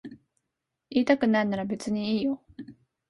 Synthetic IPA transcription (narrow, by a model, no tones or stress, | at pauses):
iːt̪akɯ̟nainaɾabe̞t͡sɨɲ̟iiːjo